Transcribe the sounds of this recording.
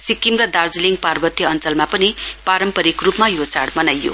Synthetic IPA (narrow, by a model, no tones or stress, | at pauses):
sikimrʌd̪ard͡zliŋɡparbʌt̪jʌʌnt͡sʌlmapʌnipaɾʌmpʌɾikrupmajot͡saɽmʌnajːo̰